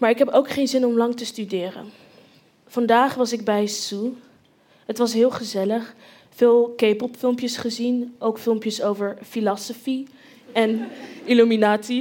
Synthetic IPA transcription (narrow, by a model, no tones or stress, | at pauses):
maːɹɪkɦɛpowkχejnzɪnɔmlɑŋtəstydɪːrə̰n | v̥ɑndaːχʋɑsɪɡ̚bɛjsu | ɦətʋɑsɦɪːlˠχəzɛləχ | fɪːlˠkejpɔpfɪlˠmpjəsχəzinʔowkfɪlˠmpjəsowvəɹfilɑsofi | ɛnilyminaːtsi